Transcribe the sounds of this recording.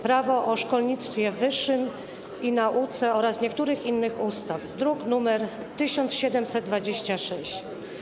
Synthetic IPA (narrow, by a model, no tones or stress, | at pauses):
pɾavɔʔɔʂkɔlɲit̪st̪fʲjɛvɘʂːɘm | inaʔut̪sɛɔɾasɲɛk̚t̪uɾɘxinːɘxust̪afd̪ɾuknumɛɾ | t̪ɘɕɔnt̪sɕɛd̪ɛmsɛt̪̚d̪vad͡ʑeɕt͡ɕaʂɛɕt͡ɕ